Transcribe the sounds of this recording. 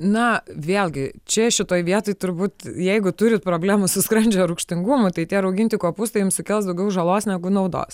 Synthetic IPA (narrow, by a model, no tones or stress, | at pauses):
nɐʋʲeːlʲˠɡʲɪt͡ʃʲɛʃʲɪt̪oːjʋʲiɛt̪oːɪt̪ʊɾbuːt̪jɛɪɡʊt̪ʊɾʲɪt̪̚pɾoːbʲlʲæːmʊsʊskɾɐnʲd͡ʒʲɛɾʊkʃʲt̪ʲɪŋɡʊmʊt̪ɐɪt̪ʲiɛɾɐʊɡʲɪnʲt̪ʲɪkoɔpust̪ɐɪjʊmsʊkʲɛlˠsd̪ɐʊɡʲɛʊʒɐlˠoːsnʲæɡʊnɐʊd̪o̰ːs